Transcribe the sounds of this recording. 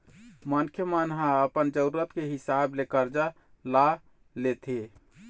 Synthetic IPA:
mənkʰjəmanɦãəpənd͡ʒəɾuɾət̪keɦisablekəɾd͡ʒa | la | let̪ʰe

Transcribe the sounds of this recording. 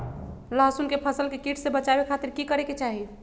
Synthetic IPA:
laɦsunkepʰəsəlkekiʈʰsebət͡ʃabekʰat̪iɾkikəɾeket͡ʃaɦi

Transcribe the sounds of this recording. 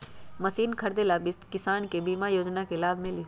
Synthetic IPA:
mɐsiːnkʰɐɾd̪elabɪst̪kɪsaːnkebiːmajoːd͡ʒnakelaːbmɪli

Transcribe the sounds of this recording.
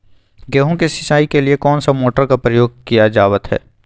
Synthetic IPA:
ɡeːɦõkesɪʃaːikeliekɔːnsamoːʈəɾkapɾəjoːɡ̚kijad͡ʒaːʋət̪ɦɛ̰ː

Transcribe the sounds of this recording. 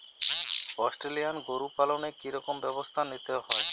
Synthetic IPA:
ɔsʈɾelijanɡoɾupalonekiɾɔkombɛbost̪ʰanit̪eɦɔe

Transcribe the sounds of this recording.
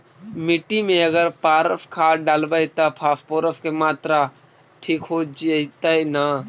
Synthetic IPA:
mɪʈːimẽəɡəɾpaːɾəfkʰaɖaːlbəit̪apʰaːspoːɾəfkemaːt̪ɾa | ʈʰiːkɦod͡ʒt̪aina

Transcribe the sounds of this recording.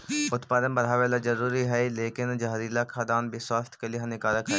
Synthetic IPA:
ʊt̪paːd̪ənbɐɾɦaːʋelad͡ʒɐɾuːɾiɦɛleːkɪnd͡ʒaːɾilakʰad̪aːnbʱiswaːst̪ʰkeliɦãnɪkaːləkɦɛ

